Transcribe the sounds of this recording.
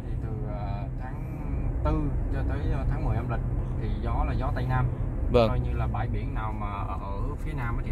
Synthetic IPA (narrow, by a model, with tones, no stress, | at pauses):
t̪ʰi˨˩t̪ɨ˨˩ʔaː˨˩ | t̪ʰaː˨˦ŋ | t̪ɨ˧t͡ɕɔ˧t̪əː˨˦jt̪ʰaː˨˦ŋmɨ˨˩əjna˧mlï˨˩k̟̚t̪ʰi˨˩zɔ˨˦laː˨˩zɔ˨˦t̪a˧jnaː˧mvə˧o˧jɲɨ˧laː˨˩ɓa̰ː˧˩jɓi˧˩ənːaː˨˩wmaː˨˩ʔəː˧˩ʔəː˧˩˥fi˨˦ənaː˧m˨t̪ʰi˨